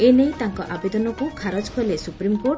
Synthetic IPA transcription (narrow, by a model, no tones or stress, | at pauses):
enejt̪aŋkɔʔabed̪ɔnɔkukʰaɾɔd͡ʒkʰɔlesupɾimkoʈ